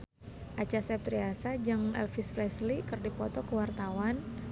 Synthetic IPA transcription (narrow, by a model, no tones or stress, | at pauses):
ʔat͡ʃasɛp̚t̪ɾiasad͡ʒɨŋɛ̰lfisflɛslikɨrdipɔt̪ɔkəwart̪awan